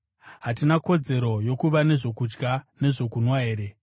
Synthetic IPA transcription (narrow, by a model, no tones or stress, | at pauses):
ɦatinako̞d͡ze̞ɾo̞jo̞kuʋane̞ʐo̞kud͡ʒɡane̞ʐo̞kunwaɦe̞ːɾe̞